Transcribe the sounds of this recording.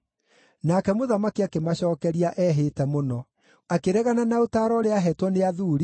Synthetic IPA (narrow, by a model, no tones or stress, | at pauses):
nakɛmoðamakiakemaɕɔːkɛɾiaʔɛɦetɛmonɔ | akeɾɛɣananaotaːɾɔɾeaɦɛtwɔneaðuɾi